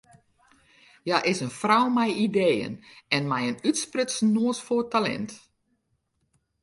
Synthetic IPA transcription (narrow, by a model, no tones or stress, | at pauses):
jaʔɪsənfrawmɛjideːjə̰nɛnmɛjənytsprʏtsnːoːəsfotalɛ̰nt